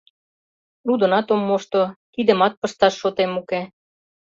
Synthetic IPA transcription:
nud̪ə̆nɑt̪omːoʃt̪ot̪id̪ə̆mɑt̪̚pə̆ʃt̪ɑʃːot̪emuke

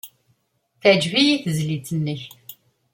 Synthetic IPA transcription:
θæd͡ʒvijiθzlit͡sʰənːəç

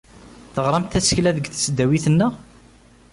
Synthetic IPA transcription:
θəʁɾˤɑmt̪æsə̥çlæðəɡθsd̪ːæwiθənːə

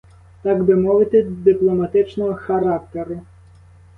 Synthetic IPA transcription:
t̪ɑɡb̪ɪmɔʋɪt̪ɪd̪ɪplˠɔmɐt̪ɪt͡ʃnɔɦɔxɐɾɑkt̪eɾʊ

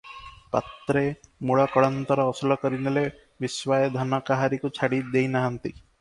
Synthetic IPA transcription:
pa̰t̪ɾemuɭɔkɔɽɔnt̪ɔɾɔːsɔlɔkɔɾinele | biswajd̪ʱɔnɔkaɦaɾikut͡ʃʰaɽid̪ejnaɦant̪i

